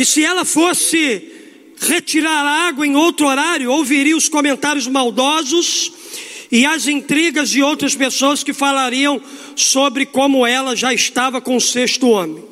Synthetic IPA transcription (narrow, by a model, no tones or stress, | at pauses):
ɪsɪɛlɐfosɪ | ʁet͡ʃiɾaɾaɡwɐẽj̃owt̪ɾʊoɾaɾjʊowviɾiɐʊskomẽnt̪aɾjʊzmawd̪ɔzʊs | ɪɐzĩt̪ɾiɡɐzd͡ʒɪowt̪ɾɐspesoɐskɪfalaɾiɐ̃w̃ | sobɾɪkõmʊɛlɐʒaɪst̪avɐkõʊseʃt̪ʊõmẽ